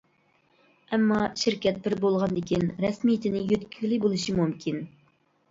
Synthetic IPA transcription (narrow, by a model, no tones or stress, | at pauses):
ɛmːɑʃɪɾkʲɛt̪̚bɪɾbolˠʁɑnd̪ɪkʲinɾɛsmijt̪ʰɪnɪjøt̪kʲʰylɪbolˠɨʃimumkʲʰin